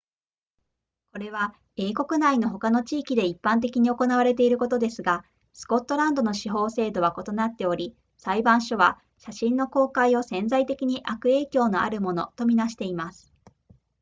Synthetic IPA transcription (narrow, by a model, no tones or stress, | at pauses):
ko̞ɾe̞βa | e̞ːko̞kɯ̟naino̞ɦo̞kano̞t͡ɕiːkʲid̪e̞ipːãnt̪̬e̞kʲiɲ̟io̞ko̞naβaɾe̞t̪e̞iɾɯ̟ko̞t̪o̞d̪e̞sɨɡa | sɨ̥ko̞t̪ːo̞ɾãnd̪o̞no̞ɕiɦo̞ːse̞ːd̪o̞βako̞t̪o̞nat̪ːe̞o̞ɾʲi | saibãɰ̃ɕo̞βa | ɕaɕĩnːo̞ko̞ːkaio̞sẽ̞nd͡zait̪e̞kʲiɲ̟iʔakɯ̟e̞ːkʲo̞ːno̞ʔa̰ɾɯ̟mono̞̰t̪o̞mʲinaɕi̥t̪e̞imasɨ̥